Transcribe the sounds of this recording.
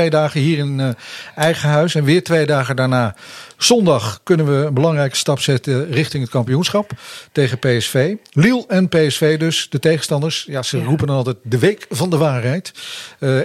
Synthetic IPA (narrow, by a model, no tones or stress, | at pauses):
ejdaːχəɦiːɹɪnɛjχəɦœɥsɛnʋɪːɹtʋejdaːχədaːɹnaːz̥ɔndɑχkɵnənʋəənbəlɑŋrɛjkə̥stɑpsɛtərɪχtɪŋɦət̚kɑmpijunsχɑptejχəpejɛsfejlilˠɛnpejɛsfejdɵsd̥ətejχənstɑndəɹsjaːz̥ərupənnɑlˠtɛjt̚dəʋejkvɑndəʋaːɹɦɛjt